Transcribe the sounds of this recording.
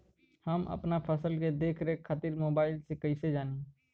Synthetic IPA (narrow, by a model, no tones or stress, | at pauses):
həmʔɐ̰pnapʰəsəlked̪eːkʰɾeɦekʰaːt̪iɾmoːbaːɪlsekɐised͡ʒaːne